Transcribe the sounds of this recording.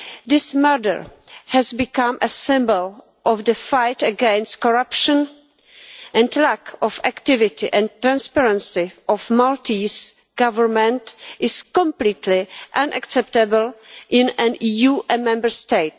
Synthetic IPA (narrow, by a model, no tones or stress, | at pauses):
d̪ɪsmɛdə̰ɹ | hɛzbɪkãmʔəsɪ̃mbəl | ʔɔfd̪əfajtəɡɛ̃nst̚kɔɹapʃə̃n | ʔɛ̃ndlækʰɔfæktɪvɪtɪʔɛ̃nt̪ːɾãnspɛɹɛ̃nsɪʔɔfmaltis | ɡ̥avəɹmɛ̃ntɪskɔ̃mpliːt̪ʰlɪʔãnʔa̰ksɛptəbəl̩ʔɪ̃nɛ̃nʔiːjuːʔɛmɛ̃mbəɹst̪ejt